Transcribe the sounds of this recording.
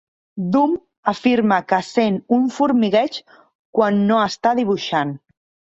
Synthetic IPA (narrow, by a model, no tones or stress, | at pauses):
d̪um | əfiɾməkəsenuɱfuɾmiɣɛt͡ʃ | kwanːoəst̪aðiβ̞uʃan